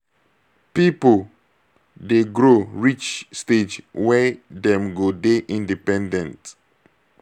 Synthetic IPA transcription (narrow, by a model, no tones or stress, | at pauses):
pipəl | deɡɹoɹit͡ʃsted͡ʒwɛdɛ̃mɡodeʔĩndipɛ̃ndɛ̃nt